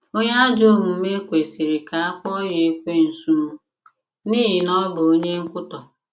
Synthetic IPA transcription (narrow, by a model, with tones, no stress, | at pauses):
o˦ɲa˦d͡ʒo˦˨mu˨˦me˦kʷe˨si˨ɾi˨ka˨a˦k͡pɔ˦je˨˦kʷe˦n̩˨su˦mu˦ | niː˦ɦɪ˨nɔ˦bʊ˨o˦ɲe˦ŋ̩˦kʊ˦tɔ˨